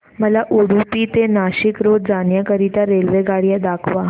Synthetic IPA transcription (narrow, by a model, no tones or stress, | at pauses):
məlaʔuɽupiːt̪enaɕikɾod̪d͡zanjakəɾit̪aɾelʋeɡaɽjad̪akʰʋa